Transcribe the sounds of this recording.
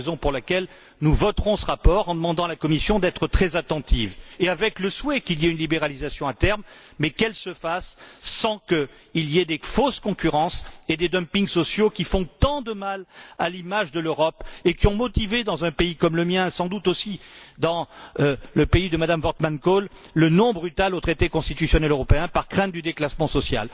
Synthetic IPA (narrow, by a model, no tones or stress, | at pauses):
ezɔ̃puʁlakɛl | nuvɔt̪χɔ̃səʁapɔʁɑ̃d̪əmɑ̃d̪ɑ̃lakɔmisjɔ̃d̪ɛt̪χət̪χɛzat̪ɑ̃t̪ʰiveavɛkləswɛkiljɛynlibeʁalizasjɔ̃at̪ɛʁmː | ɛkɛlsəfasːɑ̃kə | ilijɛd̪efoskɔ̃kʲyʁɑ̃sed̪ed̪ɔmpĩŋɡsɔsjokʲifɔ̃t̪ɑ̃d̪əmalalimaʒd̪əløʁɔpekʲiɔ̃mɔt̪ived̪ɑ̃zɛ̃peikɔmləmjɛ̃sɑ̃d̪ut̪osid̪ɑ̃ | ləpeid̪əmad̪amvɔʁt̪mankolːənɔ̃bʁyt̪alot̪χet̪ekɔ̃st̪it̪ysjɔnɛløʁɔpeɛ̃paʁkχɛ̃t̪̚d̪yd̪eklasmɑ̃sɔsja̰l